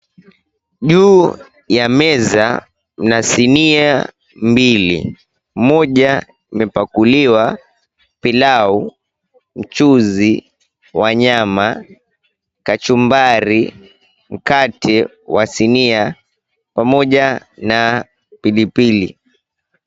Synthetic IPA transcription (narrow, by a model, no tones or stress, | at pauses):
ʄuː | jamɛza̰ | m̩nasinia | mbilḭ | mɔʄa | imɛpakuliwa | pilau | m̩t͡ʃuzi | waɲama | kat͡ʃumbaɾi | m̩katʰɛ | wasinia | pamɔʄa | na | pilipili